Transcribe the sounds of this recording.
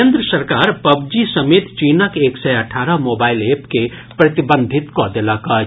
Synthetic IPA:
end̪ɾəsəɾkaɾpəb̚d͡ʒisəmet̪t͡ʃinəkeksəjəʈʰaɾəmobailepke | pɾət̪ibənd̪ʱit̪kɔd̪eləkʌ

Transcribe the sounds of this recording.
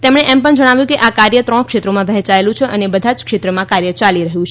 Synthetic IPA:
t̪emɳ̃eʔɛmpəɳd͡ʒəɽ̃aʋjũkeʔakaɾjət̪ɾɔ̃ɽ̃kʃet̪ɾomãʋɛɦt͡ʃaelũt͡ʃʰeʔənebəd̪ʱad͡ʒkʃet̪ɾəmãkaɾjət͡ʃaliɾəɦjũt͡ʃʰ

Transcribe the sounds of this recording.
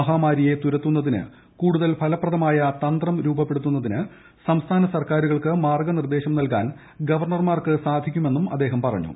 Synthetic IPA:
ɐɦaːmaːɾije̞t̪uɾɐt̪ːunːɐðinɨ̰ | kuːɽuðɐlpʰɐlɐprɐðɐmaːjɐt̪ɐnd̪rɐmɾuːbɐpːe̞ɽut̪ːunːɐðinɨ | sɐmst̪ʰaːnɐsɐrkaːɾuɣɐɭkɨmaːrɡɐnird̪e̞ːɕɐmnɐlkaːn | ɡɐʋɐrɳɐrmaːrkɨsaːd̪ʱikʲːume̞nːumɐd̪ːeːɦɐmpɐrɐ̰ɲːṵ

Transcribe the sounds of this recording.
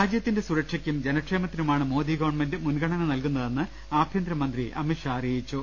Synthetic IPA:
aːd͡ʑjɐt̪ːinde̞suɾɐkʂɐkʲːumd͡ʑenɐʈʂe̞ːmɐt̪ːinumaːɳɨmo̞ːd̪iɡɐʋɐɳmendɨmunɡɐɳɐnɐnɐlkunːɐðe̞nːɨ | aːbʱjɐnd̪ɾɐmɐnd̪riʔɐ̰miʂɐːrijit͡ɕːu

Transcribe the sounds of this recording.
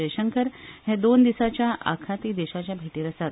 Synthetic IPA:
əjɕəŋkəɾhẽd̪ond̪isat͡ɕjaʔa̰kʰat̪iːd̪eɕat͡ɕjabʱeʈiːɾəsat̪

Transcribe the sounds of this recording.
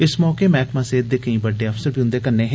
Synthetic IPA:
ɪsmɔːkeːmɛːkmãːseːd̪̚d̪eːkɐĩːbəɖːeːəfsəɾbʱiːɦʊ̃nd̪eːkəɾneːɦɛ̃ː

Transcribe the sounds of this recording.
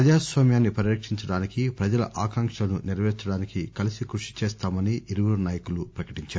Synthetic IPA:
ɐd͡ʒaːsʋaːmjaːnːipɐɾjɐkʂiɲt͡ʃɐɽaːnikipɾɐd͡ʒɐlɐ̰ʔaːkɐŋkʂɐlɐnuniɾʋɛːɾt͡ʃːɐɽaːnikikɐlisikɾuʂi̥t͡ʃɛːst̪aːmɐniʔiɾuʋɐɾunaːjɐkulupɾɐkɐ̥ʈiɲt͡ʃaːɾu

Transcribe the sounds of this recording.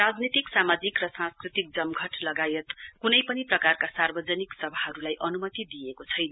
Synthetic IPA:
rad͡znit̪iksamad͡zikrʌsãnskrit̪ik̚d͡zʌmɡʱʌʈlʌɡajet̪kunʌjpʌniprʌkarkasarbʌd͡zʌniksʌbʱaɦʌɾulajʔʌnumʌt̪id̪ijekot͡sʰʌjnʌ

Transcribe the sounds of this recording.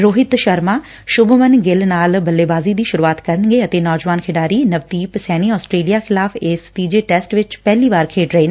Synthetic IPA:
ɾoːɦɪt̪ʃəɾmaː | ʃʊbmənɡɪlnaːlbəlːeːbaːziːd̪iːʃʊɾuːaːt̪kəɾənɡeːət̪eːnɔːd͡ʒəʋaːnkʰɪɖaːɾiːnəʋt̪iːpsɛːɽ̃iːɔːsʈɾeːlijaːxʰɪlaːfʰɪst̪iːd͡ʒeːʈɛːsʈʋɪt͡ʃpɛːliːʋaːɾkʰeːʈɾəeːn

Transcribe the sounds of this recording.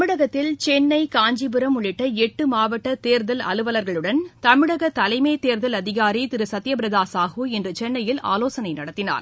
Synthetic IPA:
mɪɽɐɣɐt̪ːɪlt͡ʃɛnːɐɪkaːɲd͡ʒibɯɾɐmʊɭɪʈːɐɛʈːɯmaːʋɐʈːɐt̪eːɾðɐlɐ̰lɯʋɐlɐɾɣɐɭɯɽɐnt̪ɐmɪɽɐɣɐt̪ɐlɐɪmeːt̪eːɾðɐlɐðɪɣaːɾit̪ɪɾɯsɐt̪ːɪjɐbɪɾɐðaːsaːɣuːɛndrɯt͡ʃɛnːɐjɪla̰ːloːsɐnɐɪnɐɽɐt̪ːɪna̰ːɾ

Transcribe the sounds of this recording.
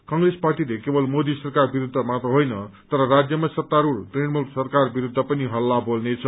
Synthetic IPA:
kʌŋresparʈilekebʌlmod̪isʌrkarbiɾud̪ʱːʌmat̪oɦojnʌt̪ʌɾʌrad͡zjʌmasʌt̪ːaɾurʈreɳmulsʌrkarbiɾud̪ʱːʌpʌniɦʌlːabolnet͡sʰʌ

